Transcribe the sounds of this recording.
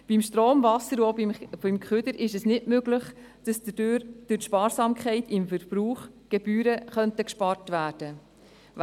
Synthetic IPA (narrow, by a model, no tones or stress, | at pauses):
b̥imʃtɾoːmvɑsəɾobɪmkχʏd̪əɾʔɪʃɛsnɪtmøɡləχ | d̥ɑsd̥̪ədøɾd̥ʉtʃpɑːɾsɑːmkχɛɪtɪmfəɾb̥ɾuːχ | ɡ̥ɛb̥yːɾəχœntəkʃpɑɾtʋæːd̥ə